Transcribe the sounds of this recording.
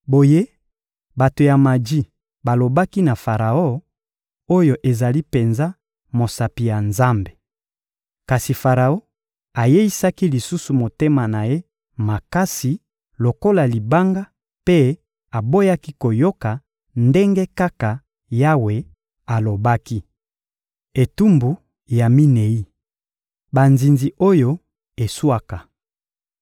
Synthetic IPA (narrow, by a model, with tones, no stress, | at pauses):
bo˨je˦ | ba˨to˨ja˨ma˨di˦ | ba˨lo˨ba˦ki˦na˨fa˨ʁa˨o˦˨ | o˦jo˨ʔe˨za˨li˦pe˨nza˦ | mo˨sa˨pi˨ja˨nza˦mbe˨ | ka˨si˨fa˨ʁa˨o˦ | a˨je˦i˦sa˦ki˦li˨su˦su˨mo˨te˦ma˨na˨je˦ | ma˨ka˦si˨ | lo˨ko˦la˨li˨ba˦ŋɡa˦ | pe˦ | a˨bo˦ja˦ki˦ko˨jo˦ka˨ | nde˦ŋɡe˦ka˦ka˨ | ja˦we˨ | a˨lo˨ba˦ki˦ | e˨tu˦mbu˨ | ja˨mi˦ne˨i˦ | ba˨nzi˨nzi˨ʔo˦jo˦ | e˨su˦a˦ka˨